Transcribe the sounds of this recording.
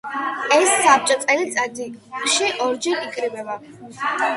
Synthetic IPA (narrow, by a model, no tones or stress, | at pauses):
ɛsːap̚t͡ʃʼɔt̪sʼɛlit̪sʼad̪iʃiʔɔɾd͡ʒɛɾikʼɾibɛba